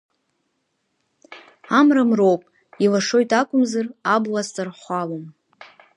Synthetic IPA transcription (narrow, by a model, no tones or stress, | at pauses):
amramrowpʼ | ilaʂo̞jtʰʼakʷʼʊmzarablast͡sʼarχʷalom